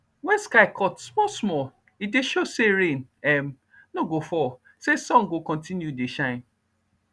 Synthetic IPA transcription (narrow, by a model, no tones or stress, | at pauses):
wɛ̃nskaɪkʰɔtsmɔsmɔ | ideʃoseɾẽnɛm̩ | noɡofɔ | sesɔ̃ŋɡokɔ̃ntĩnjuideʃãɪ̃n